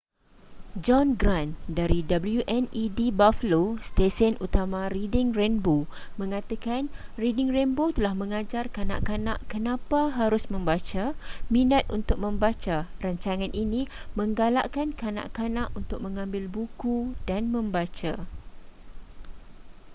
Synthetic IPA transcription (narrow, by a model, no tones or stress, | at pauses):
d͡ʒɔnɡɾandaɾidabəljuʔɛnidibafəlost̪esənut̪amãɾidɪŋrɛnbomə̃ŋãt̪akanridɪŋrɛnbot̪əlahmə̃ŋãd͡ʒarkana̰ʔkanã̰ʔkənãpaɦaɾʊsmə̃mbat͡ʃamĩnãt̪̚ʔunt̪ʊk̚mə̃mbat͡ʃaraɲt͡ʃaŋãnʔinĩmə̃ŋɡala̰ʔkankanã̰ʔkanãʔunt̪ʊk̚mə̃ŋãmbɪlbukudanmə̃mbat͡ʃa